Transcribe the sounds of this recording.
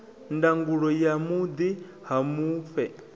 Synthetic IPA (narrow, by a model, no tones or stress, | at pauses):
ndaŋɡuɺɔjamud̪i | hamuːfɛ